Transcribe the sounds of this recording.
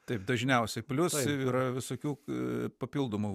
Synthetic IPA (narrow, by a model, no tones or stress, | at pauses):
t̪ɐɪpd̪ɐʒʲnʲɛʊsʲɛpʲlʲʊsiːɾɐʋʲɪsoːkʲuːpɐpʲilˠd̪oːmu